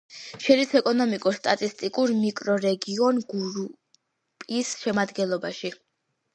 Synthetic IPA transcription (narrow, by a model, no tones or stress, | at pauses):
ʃɛɾisɛkʼɔnɔmikʼuɾst̪ʼat̪ʼist̪ʼikʼuɾmikʼɾɔɾɛɡiɔnɡuɾu | pʼisʃɛmad̪ɡɛnlˠɔbaʃi